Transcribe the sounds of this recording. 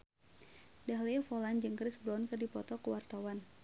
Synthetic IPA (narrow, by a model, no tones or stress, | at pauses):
daɦliɛfɔland͡ʒɨŋkɾɪsbɾɔnkɨrdipɔt̪ɔkəwart̪awan